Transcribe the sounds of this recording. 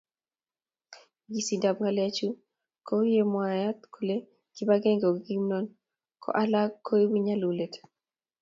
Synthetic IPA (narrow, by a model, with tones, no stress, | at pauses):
ɡi˨si˨nda˨b̚ŋɡa˨lɛ˦t͡ʃu˦ | ko˦je˦mwa˨ja˦t̪kʰo˨le˦ | ki˦ba˦ɡɛ˦ŋɡo˨ɡi˦mnɔ˦n | kʰɔ̰˦ʔa˦la˦kʰːo˦ji˦wi˦ɲa˦lu˨le˨t